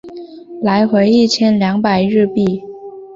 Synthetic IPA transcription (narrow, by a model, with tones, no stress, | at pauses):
la˧˥ɪxwe˧˥ɪi˥˩t͡ɕʰjɛ˥nljɑ˧˥ŋpa˨˩ɪɻɻ̩˥˧pi˥˩